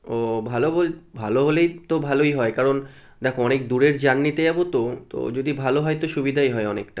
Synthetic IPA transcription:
obʱalobolbʱaloɦolejt̪obʱalojɦɔekaɾon | d̪ɛkʰoɔnek̚d̪uɾeɾd͡ʑanːit̪ed͡ʑabot̪ot̪o̰d͡ʑod̪ibʱaloɦɔet̪oʃubid̪ʱajɦɔeɔnekʈa

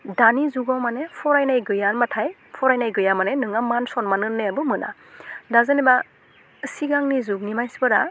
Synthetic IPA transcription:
danizuɡawmanepʰɔɾajnajɡɯjanmatʰaj | pʰɔɾajnajɡɯjamanenɯŋamansɔnmanɯnːeabɯmɯna̰ | dazɯneba | əsiɡaŋnizuknimajsbɯɾa̰

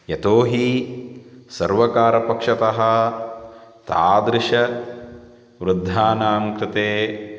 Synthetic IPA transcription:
jɐt̪oːɦi | sɐɾʋɐkaːɾɐpɐkʂɐt̪ɐɦɐ̆ | t̪aːd̪ɾɪʂɐ | ʋɾud̪ʱːaːnaːŋkɾɪt̪eː

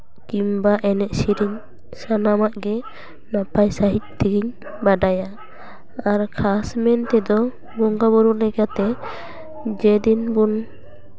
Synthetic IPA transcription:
kimbaʔɛnɛʔsiɾiɲ | sanamaʔɡɛ | napajsaɦit̪̚t̪iɡiɲ | baɖaja | aɾkʰasmɛnt̪ɛd̪ɔ | bɔŋɡabɔɾuʔlɛkat̪ɛ | d͡ʒɛd̪inbun

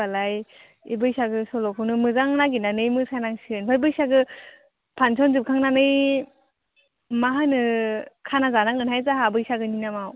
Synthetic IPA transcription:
alaj | ḭbɯjsaɡɯsɔlɔkʰɯnɯmɯzaŋnaɡinanɯjmɯsajnaŋsiɯnpʰajbɯjsaɡɯ | pʰansʰɔnzɯp̚kʰaŋnanɯj | maɦanɯkʰanazanaŋɯnɦajzaɦabɯjsaɡɯninamaw

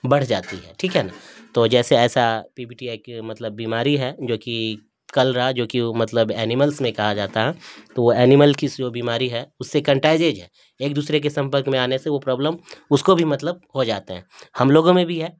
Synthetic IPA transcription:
bɐɽ̤d͡ʒa̰ːt̪iɦɛ̰ːʈʰiːkɦɛnat̪oːd͡ʒɛːseɛːsapiːbiːʈiakmɐt̪ləbːiːmaːɾiɦɛd͡ʒoːki | kɐlɾɐɦad͡ʒoːkimɐt̪ləbɛːnɪməlsmẽkɐɦad͡ʒaːt̪aɦɛt̪oʋoɛːnɪməlkisd͡ʒoːbiːmaːɾiɦɛʊsːekɐ̃ɳʈaːɪd͡ʒeːd͡ʒɦɛː | eːk̚d̪uːsɾek̬esɐ̃mpəɾkmẽaːneseʋopɾɔːbləmʊskobʱimɐt̪ləb̚hod͡ʒaːt̪eɦɛ̃hɐmloːɡõmẽbʱiɦɛː

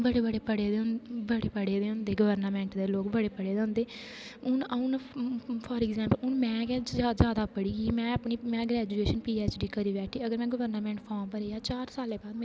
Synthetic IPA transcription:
bəɽeːbəɽeːpəɽeːd̪eʊnbəɽeːpəɽeːd̪eːɦʊ̃nd̪eːɡəʋəɾnaːmɛ̃ːɳʈd̪eːloːkbəɽeːpəɽeːd̪eɦʊ̃nd̪eː | ʊnaʊnpʰɔːɾɪɡzɛ̃ːmpəlʊnmɛ̃ːkɛːad͡ʒjaːd̪aːpəɽiːkiiːmɛ̃ːəpɳiːmɛ̃ːɡɾɛːd͡ʒueːʃənpiːeːt͡ʃɖiːkəɾiːʋɛːʈʰiːəɡəɾmɛ̃ːɡəʋəɾnəmɛ̃ːɳʈpʰɔːmpəɾeːjaːt͡ʃaːɾsaːleːbaːd̪mː

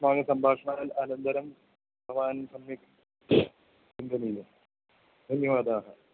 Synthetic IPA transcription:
maːɡɐsɐmbʱaːkʂɐɳaːɐlɐlɐnd̪ɐɾɐm | bʱɐʋaːnsɐmjɐk | ind̪ɐniljɐ | d̪ʱɐnjɐʋaːd̪aːɦɐ

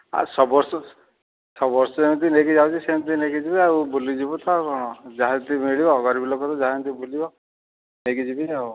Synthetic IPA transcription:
a̰sɔbɔɾsɔ | sɔbɔɾsɔemt̪̬inekid͡ʒawt͡ʃisemt̪̬inekid͡ʒibiaubulid͡ʒibɔt̪akɔɽ̃ɔd͡ʒaɦat̪imiɭibɔɔɡɔɾibilokɔt̪ɔd͡ʒaɦt̪̬ibulibɔ | nekid͡ʒibiau

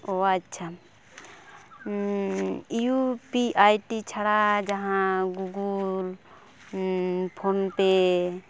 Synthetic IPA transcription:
oətːʃʰa | jupiʔajʈit͡ʃʰaɽad͡ʒəɦãɡuɡul | pʰont̪e

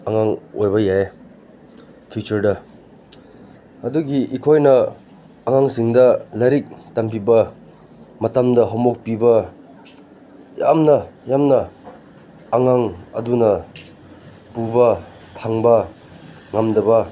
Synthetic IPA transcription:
aŋaŋojbɐjae | pʰut͡ʃuɾdɐ | ɐduɡiʔikʰojnɐː | ŋaŋsiŋdɐlɐɾik̚tɐmpibɐ | mɐtɐmdɐɦɔmok̚pibɐ | jamnɐjamnɐ | ŋaŋɐ̰dunɐ | pubɐ | tʰaŋbɐ | ŋamdɐbɐ

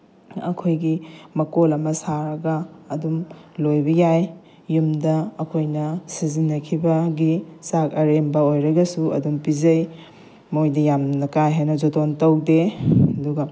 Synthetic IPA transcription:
ɐ̰kʰojɡimɐkolɐmɐsaɾɐɡɐːdumlojbɐjajː | umdɐːkʰojnɐsizinːɐkʰibɐɡisak̚ɐɾembɐojɾɐɡɐsuɐ̰dumpizɐj | mojdɐjamnɐkajɦajnɐd͡ʒotontɐwdeɐduɡɐ

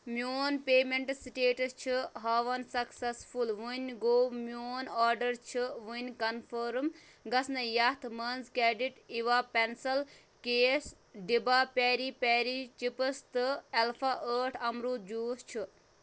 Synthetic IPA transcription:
mjoːnpeːmeɳʈsʈeːʈɐst͡ʃʰiɦaːʋɐnsɐksɐsfʰulʋunʲɡoːmoːnaːɾɖɐɾt͡ʃʰiʋunʲkɐnpʰəɾm | ɡɐsnɐjɐht̪ʰmɐnzkɛːɖiʈiʋapensɐl | keːs | ɖibaːpɛːɾipɛːɾit͡ʃipəst̪ɨelpʰaʔəːʈʰɐmɾud͡ʒuːst͡ʃʰɨ

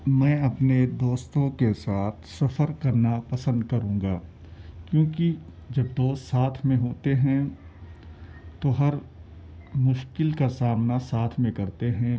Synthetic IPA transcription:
mɛ̃ːɐpned̪oːst̪õkesaːt̪ʰsɐfəɾkɐɾnapɐsə̃nd̪kɐɾũːɡaː | kjõːki | d͡ʒɐbd̪oːst̪saːt̪ʰmẽɦoːt̪eɦɛ̃ | t̪oɦɐɾ | mʊʃkɪlkasaːmnasaːt̪ʰmẽkɐɾt̪eɦɛ̃

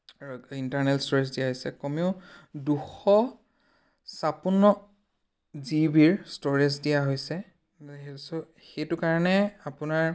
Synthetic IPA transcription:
intaɹnɛlstɔɹezdijaɦojsɛkɔmeʊduxɔ | sapunːɔ | zibiɹstoɹezdijaɦojsɛ | s | xejtʊkaɹɔnɛapʊnaɹ

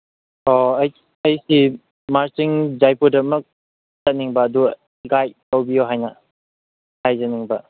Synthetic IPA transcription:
oj | ɐjsi | maɾsiŋzajpudɐmɐk̚ | sɐt̚niŋbɐːdu | iɡajtawbijoɦajnɐ | hajzɐniŋbɐ

